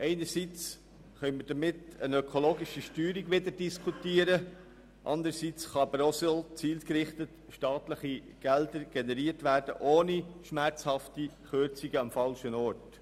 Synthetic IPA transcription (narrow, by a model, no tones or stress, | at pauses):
ʔɛɪnəɾsit͡s | χœʏməd̥əmɪtənœkʰoloːɡɪʃiʃtyːɾiɡʋɪdəɾdiskʰutiːəɾə | ʔɑ̰nd̪əɾsit͡sχɑbɾɔsəlt͡siːltkɾɪχtət | ʃtɑːtləχi | ɡ̥ɛld̪əɾɡ̥ɛnɛɾiːərtʋæːɾd̥ə̰ʔoːniʃmæɾt͡shɑftiχøɾt͡siɡəɑmfɑlʃənɔːɾt